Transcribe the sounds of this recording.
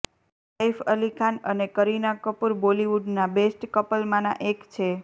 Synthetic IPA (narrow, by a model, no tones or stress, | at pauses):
səjfəlikʰanənekəɾinakəpuɾboliʋuɖnabesʈkəpəlmãnã̰ʔekt͡ʃʰe